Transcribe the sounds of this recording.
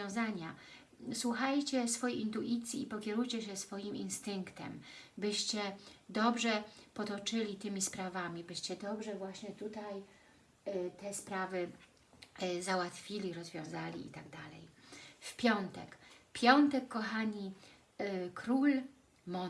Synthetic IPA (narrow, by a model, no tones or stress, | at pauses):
jɔ̃w̃zaɲa | swuxajt͡ɕɛsfɔjejint̪uʔit̪sʲjiːpɔkʲɛɾujt͡ɕɛɕɛsfɔjiminst̪ɘŋkt̪ɛ̰mbɘɕt͡ɕɛd̪ɔbʐɛpɔt̪ɔt͡ʂɘlʲit̪ɘmʲispɾavamʲibɘɕt͡ɕɛd̪ɔbʐɛvwaɕɲɛt̪ut̪aj | t̪ɛspɾavɘ | zawat̪fʲilʲiɾɔzvʲjɔ̃w̃zalʲḭḭt̪aɡd̪alɛ̰jfpʲjɔnt̪ɛkpʲjɔnt̪ɛkːɔxaɲi | kɾul | mɔ